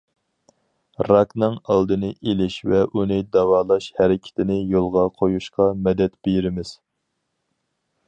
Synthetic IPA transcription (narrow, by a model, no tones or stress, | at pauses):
ɾɑknɨŋɑlˠd̪ɨnɨʔelɪʃvɛʔunɨd̪ɑwɑːlˠɑʃhɛɾɪkʲʰɪ̥t̪ʰɪnɪjolˠʁɑqʰojuʃqɑmɛd̪ɛt̪b̥ejɾɪmɪz̥